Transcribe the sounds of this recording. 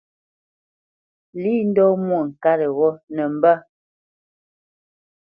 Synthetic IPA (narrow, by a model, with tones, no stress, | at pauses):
li˦n̩˦dɔ˦mwɔ˦˨ŋ̩˨ka˦ɾə˨ɣɔ˦nə˨m̩˨bə˦